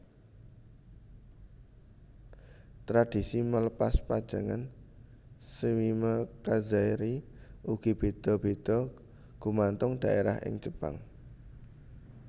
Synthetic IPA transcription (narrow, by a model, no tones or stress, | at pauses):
t̪ɾad̪̥isimələpaspad̥ʒ̥a̤ŋan | səwiməkazaiɾi | ʔuɡ̥i̤b̥e̤d̪̥ɔ̤b̥e̤d̪̥ɔ̤ | ɡ̥umant̪ʊŋd̪̥aʔeɾahʔɪ̰ŋt͡ʃəb̥a̰ŋ